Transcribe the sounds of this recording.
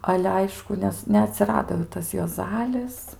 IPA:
ˈɑːlʲɛ ˈɐɪʃkʊ ˈnʲɛs nʲɛɐˈtʲsʲɪrɐdoː jɛʊ ˈtɐs juɔˈzɑːlʲɪs

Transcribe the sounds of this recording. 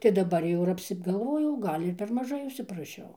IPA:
tɐɪ dɐˈbɐr jɛʊ ɪr ɐpʲsʲɪɡɐlˠˈʋoːjɛʊ ˈɡɐlʲ ɪr ˈpʲɛr mɐˈʒɐɪ ʊʃʲsʲɪprɐˈʃʲɛʊ

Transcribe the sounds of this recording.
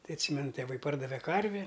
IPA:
ˈtɐɪ ɐtʲˈsʲiːmʲɛnʊ tʲeːˈʋɐɪ ˈpɐrdɐʋʲɛ ˈkɐrʲʋʲɪ

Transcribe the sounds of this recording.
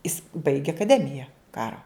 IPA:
ɪs bɐɪɡʲeː ɐkɐˈdʲæːmʲɪjɛ ˈkɑːroː

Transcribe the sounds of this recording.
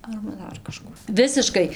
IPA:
ɐrbɐ ˈdɐr kɐˈʃkuː ˈʋʲɪsʲɪʃkɐɪ

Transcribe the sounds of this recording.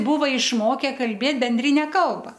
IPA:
ˈbuːʋɐ ɪʃˈmoːkʲɛ kɐlʲˈbʲeːt bʲɛnʲˈdʲrʲɪnʲɛ ˈkɐlˠbɐ

